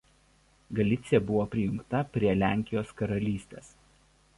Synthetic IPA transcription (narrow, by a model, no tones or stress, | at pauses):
ɡɐlʲɪt̪sʲɪjɛbʊʋoːpʲɾʲɪjʊŋkt̪ɐpʲɾʲiɛlʲæˑŋʲkʲɪjoːskɐɾɐlʲiːsʲt̪ʲeːs